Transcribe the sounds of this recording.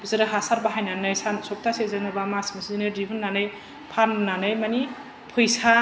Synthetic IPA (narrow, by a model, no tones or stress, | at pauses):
bzɯɾɯɦasaɾbaɦajnanɯjsansɔk̚tasezɯnɯbamasmisizinɯdiɦɯnːanɯj | pʰannanɯjmani | pʰɯjsa